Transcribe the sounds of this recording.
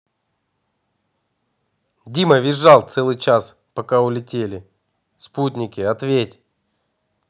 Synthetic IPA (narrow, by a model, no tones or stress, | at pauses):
dʲiməvʲɪʐːalˠt̪sɛlˠɨjt͡ɕas | pɐkaʊlʲɪtʲelʲɪ | sput̬ʲnʲɪkʲɪɐt̪vʲetʲ